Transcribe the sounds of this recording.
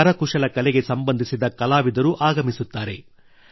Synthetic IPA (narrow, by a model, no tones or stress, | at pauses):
ɐɾɐkuʂɐlɐkɐlɛɡe̞sɐmbɐnd̪ʱisid̪ɐkɐlaːʋid̪ɐɾuʔaːɡɐmisut̪ːaːɾe̞̰